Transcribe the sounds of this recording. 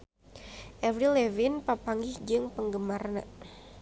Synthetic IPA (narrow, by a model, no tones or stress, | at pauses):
ʔɛvɾilɛvinpapaŋɡɪhd͡ʒɨŋpəŋɡəmarna̰